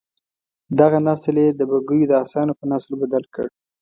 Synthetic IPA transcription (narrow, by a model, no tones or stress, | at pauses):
d̪aɣanasljed̪əbaɡəjod̪əɑsɑnopənaslbad̪alkə̰ɽ